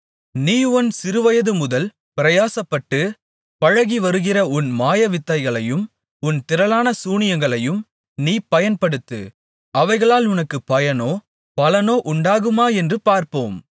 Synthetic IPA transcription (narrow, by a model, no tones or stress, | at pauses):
niːɔnsɪɾɯʋɐjɐðɯmʊðɐl | pɪɾɐjaːsɐpːɐʈːɯ | pɐɻɐɣiʋɐɾɯɣɪrɐʊnmaːjɐʋɪt̪ːɐɪɣɐɭɐjɯm | ʊnt̪ɪɾɐlaːnɐsuːɳɪjɐŋɡɐɭɐjɯm | niːpɐjɐnpɐɽɯt̪ːɯ̰ | ɐʋɐɪɣɐɭaːlʊnɐkːɯpɐjɐnoː | pɐlɐnoːʔʊɳɖaːɣɯmaːɛndrɯpaːɾpoːm